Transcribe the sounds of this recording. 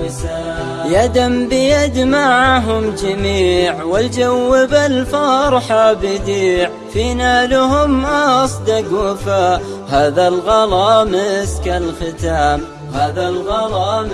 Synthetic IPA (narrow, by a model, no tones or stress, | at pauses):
jad̪ambɪjad̪maʕaɦʊmd͡ʒamiːʕwɪld͡ʒawːɪbalfɑɾˤħabɪd̪iːʕ | finaːlʊhʊmʔɑsˤd̪aɡʊfahaːðalɣɑlɑːmɪskalxɪt̪aːm | haːðalɣɑlɑːm